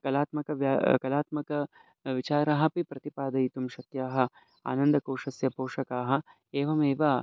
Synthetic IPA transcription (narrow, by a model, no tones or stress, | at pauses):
kɐlaːt̪mɐkɐʋjakɐlaːt̪mɐkɐ | ʋit͡ʃaːɾɐɦɐ̆pipɾɐt̪ipaːd̪ɐit̪umʃɐt̪jaːɦɐ̆ | a̰ːnɐnd̪ɐkoːʂɐsjɐpoːʂɐkaːɦɐ̆ | eːʋɐmeːʋɐ